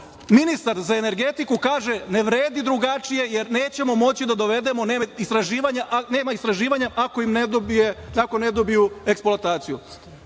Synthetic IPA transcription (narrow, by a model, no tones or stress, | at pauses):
minist̪aɾzae̞ne̞ɾɡe̞t̪ikukaːʒe̞ne̞ʋɾeːd̪id̪ɾuɡat͡ʃije̞jeɾneːt͡ɕe̞mo̞mo̞t͡ɕid̪ad̪o̞ʋe̞d̪e̞mo̞neːist̪ɾaʒiːʋaɲaʔne̞ːmaist̪ɾaʒiːʋaɲaʔako̞imnbeakone̞d̪obijueksploat̪aːt̪sijṵ